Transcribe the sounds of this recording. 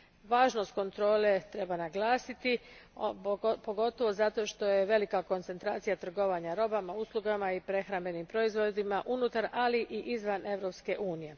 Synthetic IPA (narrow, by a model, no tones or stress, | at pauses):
ʋaːʒno̞st̪̚ko̞nt̪ɾo̞ːle̞t̪ɾe̞banaɡlaːsit̪i | poɡo̞t̪o̞ʋo̞zat̪o̞ʃt̪o̞je̞ʋe̞likako̞nt̪se̞nt̪ɾa̰ːt̪sijat̪r̩ɡo̞ʋaɲaɾo̞bamauslˠuɡamaipɾe̞xɾambe̞nimpɾo̞izʋo̞d̪imaʔunut̪aɾaliʔiʔizʋane̞ʋɾo̞pske̞ʔuːnije̞